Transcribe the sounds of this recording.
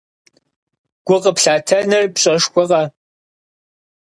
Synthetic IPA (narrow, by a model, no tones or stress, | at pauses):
ɡ̥ʷʊqəpɬaːtʰɐnɐrpɕʼɐʂkʷɔʁɑ